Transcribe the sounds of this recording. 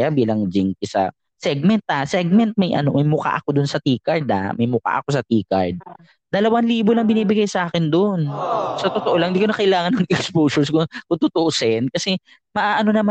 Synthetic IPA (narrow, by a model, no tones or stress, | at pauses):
jabiːlɐŋd͡ʒiŋkɪsɐ̰ | sɛɡ̚mɛnt̪̚hasɛɡ̚mɛnt̪̚mɐjʔɐ̰no̞mɐjmʊka̰ʔɐko̞d̪ʊnsɐt̪iːkɐɹd̪a̰mɐjmʊka̰ʔɐ̰ko̞sɐt̪iːkɐ̰ɹd̪̚ | d̪ɐlɐwanliːbolɐŋbɪniːbɪɡajsɐʔaːkɪnd̪onsɐt̪ot̪oʔo̞laɐŋnd̪iːkonɐkɐʔɪlaːŋɐnːɐŋɛkspoːsɛɹskokʊt̪ʊt̪oʔosɛnkɐsɛ | mɐʔaːʔɐno̞nɐma